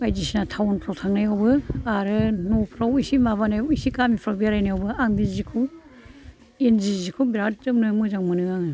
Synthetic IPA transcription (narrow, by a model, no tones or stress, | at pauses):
bajzisinatʰawnpʰɾawtʰaŋnajawbɯaɾɯnopʰɾawisimaβanajisikamipʰɾabiaɾajnajawbɯaŋdizikʰu | enzizikʰubiɾat̚tɯmnɯmɯzaŋmɯnɯaŋɯ